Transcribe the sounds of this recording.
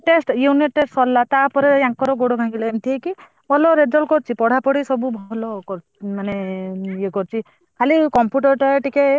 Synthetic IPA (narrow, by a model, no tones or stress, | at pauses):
ʈesʈjuniʈːesʈsɔlːat̪apɔɾeaŋkɔɾɔɡoɽɔɡʱãɡileemt̪ʰieki | bɔlɔɾed͡ʒɔlkɔɾt͡ʃʰipɔɽ̤apɔɽisɔbubʱɔlɔkɔɾ | manejekɔɾt͡ʃʰi | kʰalikɔmpjuʈɔɾʈaeʈike